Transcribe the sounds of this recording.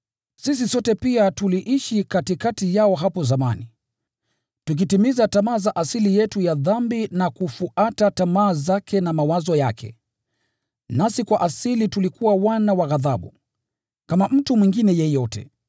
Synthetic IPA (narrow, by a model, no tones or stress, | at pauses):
sis̬isɔtɛpiatuliʔiʃikatikatijaɔɦapɔzama̰ni | tuk̬itimizatamaːzaʔasilijɛtujaðambinakufuʔatatamaːzakʰɛnamawazɔjakʰɛ̰ | nasikwaʔasilitulikuwawanawaɣaðaɓṵ | kamam̩tumwiŋɡinɛjɛjɔtɛ̰